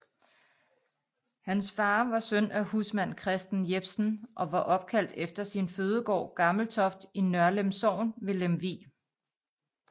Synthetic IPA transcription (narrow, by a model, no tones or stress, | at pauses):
hænsfɑ̈ːʋɑ̈sønʔæhusmæn̰kʰʁɛsd̥n̩jeb̥sn̩ʔɒ̽ʋɑ̈ʔɒ̽b̥̚kʰæl̰d̥efd̥ɐsinføːð̞ˠəɡ̥ɒ̰ːɡ̥ɑ̈ml̩t͡sʰɒ̽fd̥inɶɐlemsɒʊ̰nʋe̝lemʋḭː